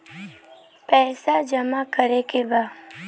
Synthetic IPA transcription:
pɛːsad͡ʒəmakəɾekeba

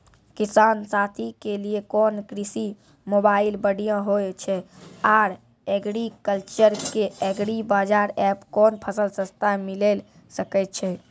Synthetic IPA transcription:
kisansat̪ʰikeliekɔnkɾisi | mobailbəɽijãɦojt͡ʃʰɛaːɾ | ɛɡɽikəlt͡ʃəɾkeɛɡɽibad͡ʒaɾɛpkɔnpʰəsəlsə̃st̪ʰamilel | səkɛt̪̚t͡ʃʰɛ

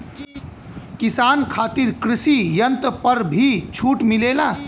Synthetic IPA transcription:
kisaːnkʰaːt̪iɾkɾɪsijənt̪pəɾbʱit͡ʃʰuːʈmileːlaː

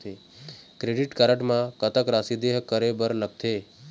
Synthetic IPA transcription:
t̪e | kɾeɖiʈkaɾəʈmãkət̪əkɾasid̪eɦkəɾebəɾnək̚t̪ʰe

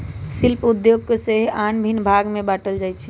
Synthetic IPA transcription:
silpud̪joɡ̚keseɦanbʱinbʱaɡmebaʈəld͡ʒajt͡ʃʰɛ̥

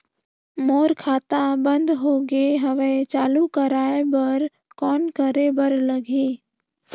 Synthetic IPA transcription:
moːɾkʰaːt̪ãbə̃nd̪ɦoːɡeɦəʋet͡ʃaːlukəɾaːebəɾ | kɔːnkəɾebəɾləɡʱiː

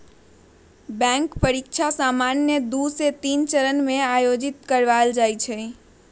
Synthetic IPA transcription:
bɛ̃ŋkpəɾikʃʰasamanjəd̪uset̪int͡ʃəɾənmẽajod͡ʒit̪kəɾʋald͡ʒajt͡ʃʰɛ

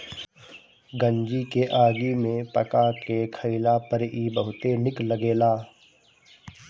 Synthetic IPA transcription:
ɡə̃ɲd͡ʒikeʔaːɡimẽpɐkakekʰəɪlapəɾiːbəɦʊt̪enɪkləɡeːlaː

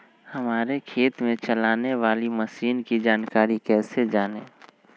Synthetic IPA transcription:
hɐmaːɾekʰeːt̪mẽt͡ʃɐlaːneʋaːliməsiːnkid͡ʒaːnkaːɾikɛːsed͡ʒaːnẽː

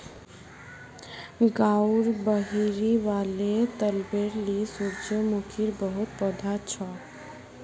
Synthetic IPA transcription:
ɡauɾbəɦiɾiʋalet̪əlbeɾlisuɾt͡ʃəmukʰiɾbəɦut̪̚pɔd̪ʱat͡ʃʰɔ

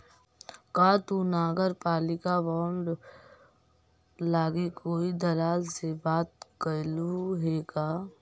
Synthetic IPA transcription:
kaːt̪unaːɡəɾpaːlɪkaʋɔːɳɖ | laːɡekoːid̪ɐlaːlsebaːt̪̚kəluɦeːɡaː

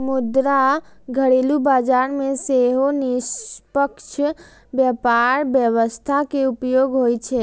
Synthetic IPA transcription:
mud̪ɾaɡʱəɽelubad͡ʒaɾmeseɦonispəkt͡ʃʰ | bjəpaɾbjəʋəst̪ʰakeupjoɡɦojt͡ʃʰɛ

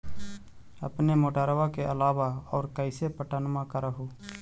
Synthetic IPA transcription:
ə̰pnemoːʈaːɾʋakeʔəlaːʋaɔːɾkəɪsepəʈaːnmakəɾəɦuː

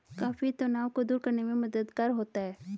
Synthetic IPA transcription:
kaːfit̪ʊnaːʋkod̪uːɾkɐɾnemẽmɐd̪əd̪kaːɾɦoːt̪aɦɛː

